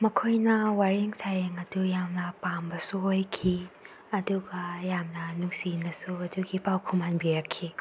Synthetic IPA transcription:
mɐkʰojnɐwaɾiŋsaɾeŋɐdujamnɐpambɐsuojkʰi | ɐduɡɐjamnɐnuŋsinɐsuɐduɡipawkʰumanbiɾɐkʰːi

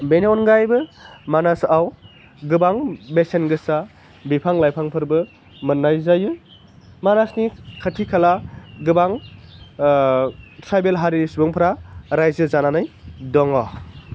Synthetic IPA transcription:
beneɔnɡajbɯmanasaw | ɡɯbaŋbesenɡɯsa | bipʰaŋlajpʰaŋpʰɯɾbɯ | mɯnːajzaju | manasnikʰatʰikʰalaɡɯbaŋ | tʰɾajbelɦaɾinisubɯŋpʰɾaɾajzɯzananɯjdɔŋɔ

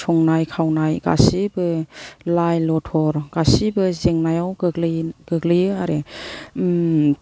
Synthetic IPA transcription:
sʰɔŋnajkʰawnajɡa̰sibɯlajlɔtʰɔɾɡ̥asibɯzeŋnajawɡɯɡlɯɡ̥ɯɡlɯjɯaɾe

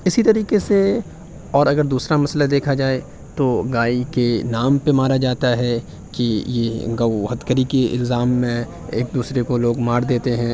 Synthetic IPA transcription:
ɪsit̪ɐɾiːqese | ɔːɾɐɡəɾd̪uːsɾamɐslad̪eːkʰad͡ʒaːe | t̪oɡaːikenaːmpemaːɾad͡ʒaːt̪aɦɛ | kijeɡɐʊɦət̪kəɾikeɪ̰lzaːmːẽ | eːk̚d̪uːsɾekoloːɡmaːɾd̪eːt̪eɦɛ̃ː

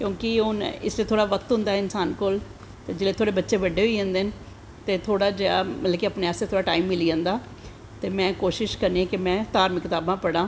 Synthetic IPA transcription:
kjõːkɪʊnɪ̰sleːt̪ʰoːɽaːʋək̚t̪ɦʊ̃nd̪aːɦɛɪnsaːnkoːl | t̪eːd͡ʒeːleːt̪ʰoːɽeːbətːʃeːʋəɖːeːɦoiːɦɛ̃nd̪eːn | t̪eːt̪ʰoːɽaːd͡ʒea̰ːmələkiəːpneːaːseːt̪ʰoːɽaːʈaːiːmːɪliːãːnd̪aː | t̪eːmɛ̃ːkoːʃɪʃkəɾniːɛ̃ːkɪmɛ̃ːt̪aːɾmɪkːɪt̪aːbãːpəɽãː

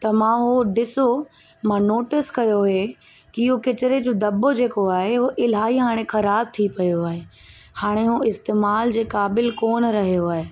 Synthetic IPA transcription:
t̪ɐmãɦoɖɪso | mãnoːʈɪskɐjoɦe | kɪɦokɪt͡ɕɪɾed͡ʑoːd̪ɐbod͡ʑeːkoaːɦeʊɦoʔɪlɦaːiɦaːɽ̃ẽxɐɾaːb̚t̪ʰipɐjoaːɦe | haːɽ̃eɦoɪst̪eːmaːld͡ʑeːkaːbɪlkoːnɾɐɦijoaːɦe

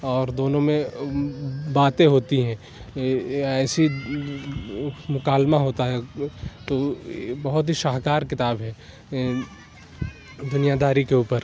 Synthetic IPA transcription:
ɔːɾd̪oːnõmẽ | baːt̪ẽɦoːt̪iɦɛ̃ | ɛːsi | mʊkaːlmaɦoːt̪aɦɛt̪obɐɦʊt̪ɦiʃaːɦkaːɾkɪt̪aːbɦɛː | d̪ʊnijad̪ʱaːɾikeuːpəɾ

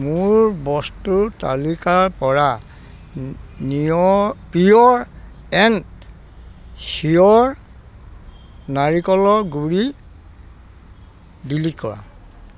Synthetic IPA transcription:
muɹbɔstuta̰likaɹpɔɹa | nipiɔɹ | ɛn | siɔɹ | naɹikɔlɔɹɡuɹi | bilitkɔɹa̰

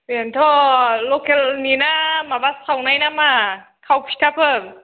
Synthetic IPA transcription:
bint̪ʰɔlokelninamabastʰawnajnama | kʰawpʰi̥tʰapʰən

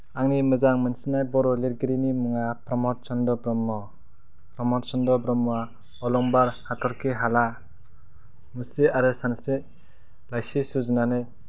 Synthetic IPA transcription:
aŋnimɯzaŋmɯnsinajbɔɾɔleɾɡiɾinimuŋapɾɔmɔɾsɔndɔbɾɔmːɔ | pɾɔmɔɾsɔndɔbɾɔmːa | ɔlɔŋbaɾhatʰɔɾkʰiɦala | museaɾɯsanse | lajsisuzunanɯj

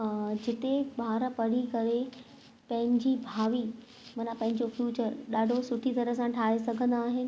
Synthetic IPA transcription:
d͡ʑɪt̪eɓaːɾpɐɽ̤ikɐɾe | pɐ̃ɦɪ̃ɲd͡ʑiːbʱaːʋi | mɐnãpɐ̃ɦɪ̃ɲ̆d͡ʑofjuːt͡ɕəɾɗaːɖʱosʊʈʰit̪ɐɾəsãʈʰaːesɐɡʱə̃nd̪aːɦɪnɪ̆

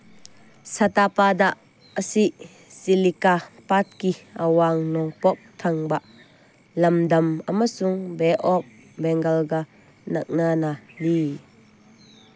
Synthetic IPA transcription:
sat̪apaːd̪aʔ | əsiʔ | silikapat̪̚kiʔɐwaːŋnɔŋpɔp̚t̪ʰɐŋbaʔ | lɐmd̪ɐmɐmasuŋbɛʔɔk̚ | bɛŋɡɐlɡa | nɐk̚naːnali

